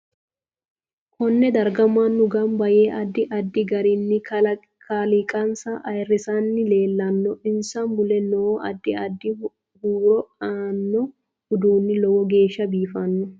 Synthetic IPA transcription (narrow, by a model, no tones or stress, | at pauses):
kɔnːɛd̪ɐɾɡɐmːɐnːʊɡɐmbɐje̞ːʔɐd̪ːɪʔɐd̪ːɪɡɐɾinːɪ | kʰalikʼɐnsɐʔɐjɪrːɪsanːɪle̞ːlːɐnːɔʔɪnsɐmbʊlɛnːoʔɐ̰d̪ːɪɐd̪ːɪ | huːɾɔaːnːɔ | ʊd̪uːnːɪlɔwɔɡe̞ːʃːɐbiːfɐnːɔ